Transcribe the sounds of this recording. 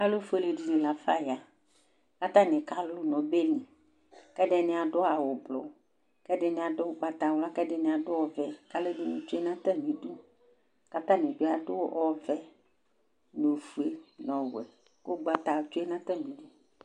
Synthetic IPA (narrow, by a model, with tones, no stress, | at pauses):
a˦lo˦fu˦e˦˨le˨di˨nĩ˨la˨fa˦ja˨ | ka˦t̪ã˦nɪ̃˨ka˦lo˦nɔ̃˨be˦nĩ˨ | kɛ˦ɖe˦nɪ̃˨a˨ɖʊ˦a˨wo˨blɔ̰˨ | kɛ˦ɖɪ˦nẽ˨a˨dʊ˦ɡ͡ba˨t̪a˨wla˦kɛ˦ɖe˦nɪ̃˨a˨dʊ˦ɔ˦˨vɛ˨ka˦le˦de˦nẽ˨t͡ʃo˦e˦nã˦t̪a˦nĩ˨ɖu˦ | ka˦t̪ã˦nẽ˨d͡ʒo˦a˨dʊ˦wɔ˦vɛ˨ | no˨fu˦e˦nɔ̃˨wɛ˨ | ko˦ɡ͡ba˨t̪a˨t͡ʃo˦e˦nã˦t̪ã˦nĩ˨du˦